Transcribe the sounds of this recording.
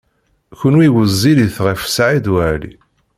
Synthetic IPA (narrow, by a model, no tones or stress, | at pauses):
çənwiwəzːiliθʁəfə̥sʕid̪wælḭ